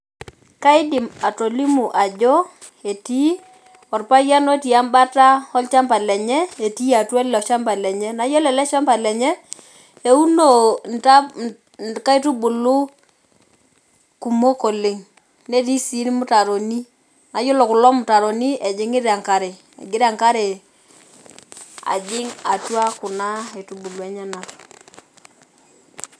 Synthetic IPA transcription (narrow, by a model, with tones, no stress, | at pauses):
ka˦ɪ˦dɪ˨ma˨to˨li˦mu˨ʔa˨d͡ʒɔ˦ | e˨ti˦ | ɔ˨rpa˦ja˦no˦ti˨a˦mba˦ta˦ɔ˦lt͡ʃa˦mba˨lɛ˨ɲɛ˦e˨ti˦a˨twɛ˦lɔ˨ʃa˦mba˨lɛ˨ɲɛ˦na˨˦jɔ˦lɛ˨lɛ˦ʃa˦mba˨lɛ˨ɲɛ˦ | e˨u˦no˨nta˦ | ka˦i˦tu˦bʊ˨lʊ˦ | ku˨mo˦ko˨lɪ˨ŋ | ne˦ɾi˦si˨˦n˦mʊ˦ta˨ɾo˨ni˦ | na˨jo˦lɔ˨kʊ˨lɔ˦mʊ˨ta˨ɾo˨ni˦ʔɛ˨d͡ʒɪ˨˦ŋɪ˦ɾa˨ŋka˨ɾe˨ | ɛ̰˨ɡɪ˦ɾa˨ŋka˦ɾe˨ | a̰˨d͡ʒɪ˦ŋa˨twa˦kʊ˨na˦e˨tu˨bu˨lu˨ɛ˨ɲɛ˦na˨